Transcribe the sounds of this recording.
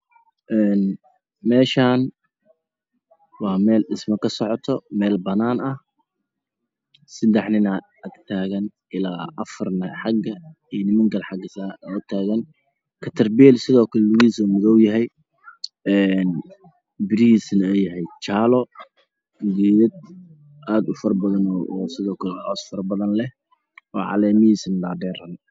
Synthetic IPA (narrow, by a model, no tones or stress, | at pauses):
ʔɛːn | mɛːʃaːn | wɑːmɛːlɪsmɐkʰɐsɔʕɔt̪ʰɔmɛːlbɐnaːnɐh | sɐd̪ɛħnɪnɐ | ʔɐɡt̪ʰaːɣɐn | ʔɪlaːʔɐfɐrnɐħɑɡɐ | inɪmɐŋɡɐlħɑɡɐsaːʊt̪ʰaːɣɐn | kʰɐt̪ʰɐrbɛlsɪðɔːkʰɐlɛlʊɣiːsuːmʊðɔwjɐɦɛj | ɛːn | bɪɾiiːsnɛjɐɦɛjt͡ʃaːlɔ | ɡ̪iːðɐd̪̚ | ʔaːd̪ʊfɐrbɐðɐnɔːsɪðɔːkʰɐlɛħɔːsfɐrbɐðɐnlɛh | ɔːʕɑ̰lɛːmɪhiːsnlaːɖɛːɾɐn